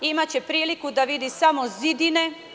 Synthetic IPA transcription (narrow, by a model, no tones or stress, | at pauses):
imat͡ɕe̞pɾiːlikud̪aʋid̪isamo̞zid̪ine̞